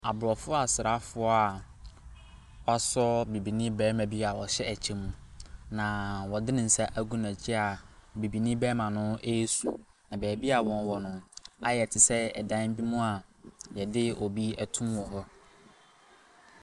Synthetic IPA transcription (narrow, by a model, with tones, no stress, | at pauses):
a˨bʊ˨ɾɔ˨fʊ˦a˨sɪ˨ɾa˦fʊ˦ɔ˦a˨ | wa˨˦sɔ˦bi˨bi˨nĩ˦bɛː˦mã˨bi˦a˨wɔ˨ɕɛ˦æ˨t͡ɕʰẽ˨mũ˦nã˨wɔ˨dɪ˦nɪ̃˨n̩˨sa˦ʔæ˦ɡũ˦nã˨t͡ɕʰi˦a˨bi˨bi˨nĩ˦bɛː˦mã˨nʊ̃˦e˦su˨ | nã˨bɛː˨bi˦a˨wɔ̃˨n˨wɔ˨nʊ̃˨a˦jɛ˨tʰɪ˨sɛ˦ɛ˨dã˦n˦bi˦mũ˦a˨jɛ˨dɪ˦o˨bi˦æ˨tʰũ˦mwɔ˨hɔ˦